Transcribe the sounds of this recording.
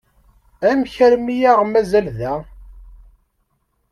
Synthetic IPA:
æmçəɾmijaʁmæzælðæ

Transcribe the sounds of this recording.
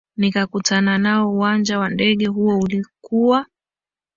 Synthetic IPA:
nikakutananaɔuwand͡ʒawandɛɠɛɦuɔulikuwa

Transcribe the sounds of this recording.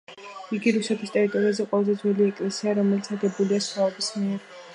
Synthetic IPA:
iɡiɾusɛt̪ʰist̪ʼɛɾit̪ʼɔɾiazɛqʼwɔlˠazɛd̪zwɛliɛkʼlɛsiaɾɔmɛlit̪sʰaɡɛbuliasχwaɔbismiɛɾ

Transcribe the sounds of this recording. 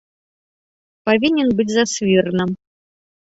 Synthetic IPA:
pavʲinʲɛnbɨt͡sʲzasvʲirnɨm

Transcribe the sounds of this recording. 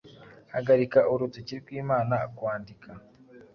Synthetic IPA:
haɡaɾikaʔuɾuteciɾiɾɡwiːmaːnaːkwaːndikʰa

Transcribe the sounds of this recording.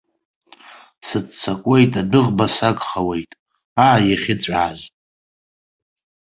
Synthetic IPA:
sɨt͡st͡sʰakʷʼe̞jtʼadɨʁbasaɡχawe̞jtʼ | aːjaχʲɪt͡sʷʼaːʒ

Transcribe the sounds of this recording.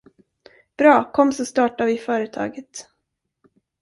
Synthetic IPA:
b̥ɾɑːkʰɔmːsɔst̪ɑːʈavɪfœːɾət̪ʰɑ̰ːɡət̪

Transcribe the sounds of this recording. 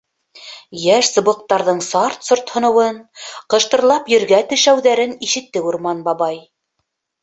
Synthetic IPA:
jæʃsɤ̆βɤ̆q̚t̪ɑɾðɤɴsɑɾt̪sŏɾt̪hŏnɤ̆wɤnqɤ̆ʃt̪ɤ̆ɾlˠɑpjɵ̆ɾɡæt̪ɘ̆ʃæwðæɾɘniʃɘ̆t̪ːɘuɾmɑnbɑβɑj

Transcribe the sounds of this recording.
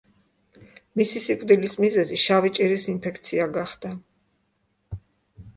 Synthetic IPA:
misisikʼvd̪ilismizɛziʃavit͡ʃʼiɾisinpʰɛkʰt̪sʰiaɡaχd̪a

